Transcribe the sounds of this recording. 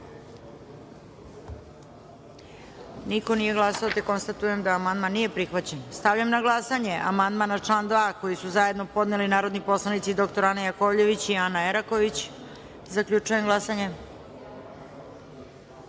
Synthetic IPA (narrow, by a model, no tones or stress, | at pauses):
niko̞nije̞ɡlˠasaot̪eko̞nst̪at̪uje̞md̪aːmand̪manːijepɾixʋat͡ɕenst̪aʋʎamnaɡlˠasaɲe̞ʔa̰mand̪manat͡ʂlˠaːnd̪ʋaːko̞jisuzaje̞d̪no̞po̞d̪nelinaːɾo̞d̪nipo̞slˠanit̪sid̪okt̪o̞ɾanajako̞ʎe̞ʋit͡ɕianaeɾako̞ʋit͡ɕ | zakʎʲut͡ʂuje̞mɡlˠasaɲe̞